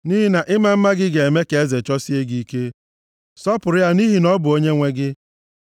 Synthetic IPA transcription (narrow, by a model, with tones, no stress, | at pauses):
ni˦ɦi˦na˨ʔɪ˦ma˨m̩˦ma˦ɡɪ˦ɡe˨e˨me˦ke˨e˦ze˨t͡ʃɔ˦si˦e˦ɡi˦ke˦ | sɔ˦pʊ˨ɾɪ˦ja˦ni˦ɦi˦nɔ˦bʊ˨o˦ɲe˦ŋʷe˦ɡɪ˦